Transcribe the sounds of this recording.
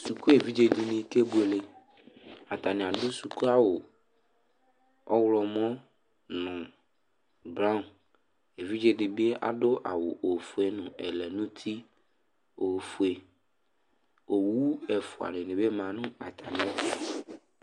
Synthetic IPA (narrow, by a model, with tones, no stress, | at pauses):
su˨ku˦e˨vi˦d͡ʒe˦di˨nẽ˨˦ke˦bu˦e˨le˨ | a˨t̪a˨ne˨a˨ɖo˦su˨ku˦a˨wo˨ | ɔ˦wlɔ˨mɔ̃˦ | nɔ̃˨ | bɾa˦˨n | e˨vi˦d͡ʒe˦di˨be˦a̰˨ɖʊ˦ʔa̰˨wo˨ʔo˨fu˨e˦nũ˨ɛ˨lɛ˨nũ˦t̪ʰi˦ | o˨fu˨e˨ | o˨wu˦ɛ˨fʊ˨a̰˨nẽ˨nẽ˨be˦mã˨nũ˦a˨t̪ʰa˨nɪ̃˦a˦˨